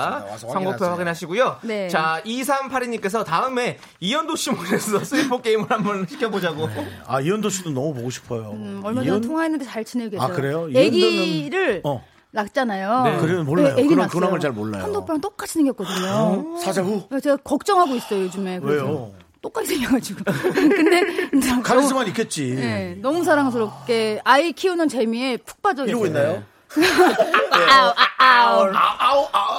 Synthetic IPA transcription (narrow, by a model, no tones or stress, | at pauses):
t͡ɕʰaŋɡopʰewaɡinɦaɕʰiɡujonet͡ɕais̬ʰampʰaɾiɲik͈e̞sʰʌtaɯme̞ | ijʌndoɕʰimoɾesʰʌs͈ɯipʰok͈e̞imɯɾɦanbʌnɕʰi̥kʰjʌbod͡ʑaɡo | aijʌndoɕʰidonʌmupoɡoɕʰi̥pʰʌjoʌɭmaatʰoŋɦaenːɯndet͡ɕaɭt͡ɕineɡeakɯɾe̞joeɡiɾɯɭ | nak̚t͡ɕ͈anajoekɯɾimʌnmoleajoeɡikonaŋɯɭt͡ɕaɭmoɭːa̰andopʰaɯnt͈ok͈at͡ɕʰineŋɡjʌk̚k͈ʌdɯɲosʰad͡ʑaɦuat͡ɕe̞ɡakʌk̚t͡ɕ͈ʌŋɦaɡois͈ʌjojod͡ʑume̞kejo | t͈ok͈aɡisʰeŋjɡad͡ʑiɡokɯnde̞akaɡisɯmanikʰet̚t͡ɕ͈ije̞nʌmus̬ʰaɾaŋs̬ʰɯɾop̚k͈e̞aikʰiunɯnt͡ɕe̞miepʰu̥k̚p͈ad͡ʑʌɡiɡoinːajo | a